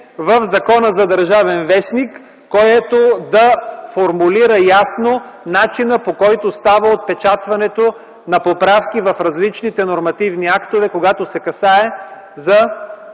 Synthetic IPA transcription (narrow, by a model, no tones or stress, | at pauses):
vəfzɐkɔnəzɐd̪ɐɾʒavɛnvɛsnikː | ɔjɛt̪od̪ɐfoɾmuliɾəjasno | nat͡ʃinəpokɔjt̪ost̪avəot̪̚pɛt͡ʃat̪vɐnɛt̪o | nɐpopɾafkivɐfɾɐzlit͡ʃnit̪ɛnoɾmɐt̪ivniakt̪ovɛkoɡat̪osɛkɐsaɛ | zɐ